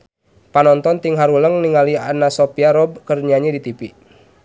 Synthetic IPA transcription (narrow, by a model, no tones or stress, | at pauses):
panɔnt̪ɔnt̪iŋɦaɾuləŋniŋalianasɔpiaɾɔb̚kərɲaɲidit̪ipi